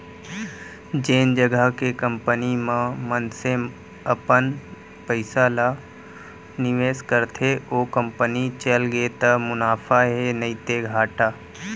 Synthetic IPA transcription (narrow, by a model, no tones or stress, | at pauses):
d͡ʒeːnd͡ʒəɡəɦkekə̃mpənimãmənse | əpən | pəɪsala | nɪʋeːskəɾt̪ʰeoːkə̃mpənit͡ʃəlɡet̪əmʊnaːfʰaɦenəit̪eɡʱaːʈaː